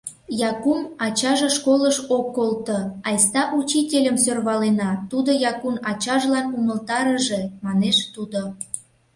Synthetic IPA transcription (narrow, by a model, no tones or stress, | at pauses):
jɑkumɑt͡ɕɑʒeʃkoləʃokːolt̪oɑjst̪ɑʔut͡ɕitʲelʲəmsørβɑlenɑt̪ud̪ojɑkunɑt͡ɕɑʒlɑnuməlt̪ɑɾəʒemɑneʃt̪ud̪o